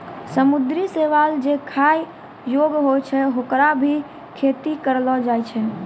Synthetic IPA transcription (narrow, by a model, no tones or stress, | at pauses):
səmud̪ɾiseʋald͡ʒekʰaj | joɡɦojt͡ʃʰɛɦokɾabʱi | kʰet̪ikəɾlɔd͡ʒajt͡ʃʰɛ